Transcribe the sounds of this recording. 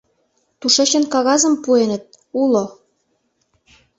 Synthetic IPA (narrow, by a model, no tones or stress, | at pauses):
t̪uʃeɕə̆nkɑɣɑzə̆mpuenə̆t̪̚ | ulo